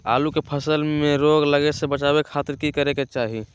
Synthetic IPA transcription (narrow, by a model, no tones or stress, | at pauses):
a̰ːlukepʰəsəlmeɾoɡləɡesebət͡ʃabekʰaːt̪ɪɾkikəɾeket͡ʃaːɦi